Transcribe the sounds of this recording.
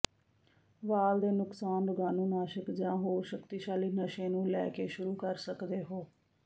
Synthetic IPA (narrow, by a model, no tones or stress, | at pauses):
ʋaːld̪eːnʊksaːnbəɡaːnũːnaːʃəkd͡ʒãːɦoːɾʃəkt̪iːʃaːliːnəʃẽːnũːlɛːkeːʃʊɾuːkəɾsəkd̪eːɦoː